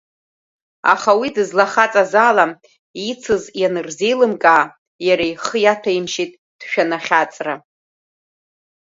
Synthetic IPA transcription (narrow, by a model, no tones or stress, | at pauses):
a̰χawidɨzlaχat͡sʼazaːlam | it͡sʰɨzjanɨrzejlɨmkʼaː | jaɾajχəjatʰaimʃitʼ | d̥ʃᶣanaχʲat͡sʼra